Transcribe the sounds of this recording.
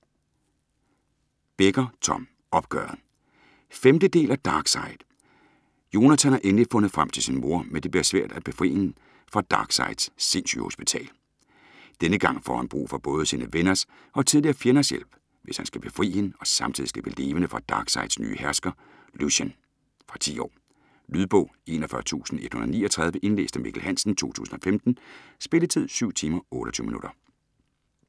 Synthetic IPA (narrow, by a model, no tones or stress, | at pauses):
b̥eɡ̥ɐt͡sʰɒ̽m̰ | ɒ̽b̥̚ɡ̥œːɐð̩ˠ | femd̥əd̥e̝̰ːlæd̥ɑ̈ːɡ̥sɑ̈ɪðˠ | jo̝næt͡sʰænhɑ̈ʔenlifɔ̽nð̞̩ˠfʁɑm̰t͡sʰe̝lsinmo̝ɐmed̥e̝bliɐsʋæ̰ɐ̰d̥æb̥e̝fʁḭːe | fʁɑ̈d̥ɑ̈ːɡ̥sɑ̈ɪd̥sːe̝nɕyho̰sb̥it͡sʰɛ̰ːl | d̥enəɡ̥ɑ̈ŋ̰fɒ̰ːhænb̥ʁṵːfɒ̽b̥ɔ̽ːð̞ˠəsiːnəʋenɐs | ʔɒ̽t͡sʰiðˠliɐfjenɐsjel̰b̥ | ʋe̝shænsɡ̥æb̥e̝fʁḭːhe̝nɒ̽sɑ̈mt͡sʰið̰ˠisɡ̥æʋ̥e̝le̝ːʋənəfʁɑ̈d̥ɑ̈ːɡ̥sɑ̈ɪd̥sny̰ːəhæɐsɡ̥ɐ | lusen | fʁɑ̈t͡sʰḭːɒ̰ː | lyð̞ˠb̥ɔ̽ʊe̝̰ːnɒfɶɐt͡sʰṵːsn̩ed̥hunɐðˠniːɒt͡sʰʁɑ̈ðˠʋəʔe̝nle̝ːsd̥əmḭɡ̥ʰl̩hæn̰sn̩t͡sʰo̝̰ːt͡sʰṵːsn̩ɒ̽femd̥n̩sb̥e̝lət͡sʰið̞̰ˠsyʊ̰t͡sʰiːmɐɔ̽ːɾɐɒt͡sʰy̰ʊminuɾ̥ɐ